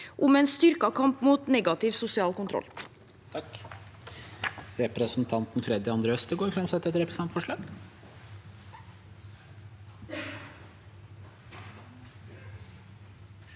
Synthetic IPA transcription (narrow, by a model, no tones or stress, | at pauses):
ʔʊmɛeːnst̪ʏɾkɑkʰɑmpmuːt̪nɛɡɑt̪ɪʋsʊsɪɑːlkʊnt̪ʰɾɔ̰lː | t̪ʰɑk | ɾɛpɾəsnt̪ʰɑnt̪n̩fɾɛd̪ɪɑnd̪ɾeːœst̪əɡoːɾfɾɑmsɛt̪ːɛt̪ɾɛpɾəsnɑmt̪fɔʂɭɑːɡ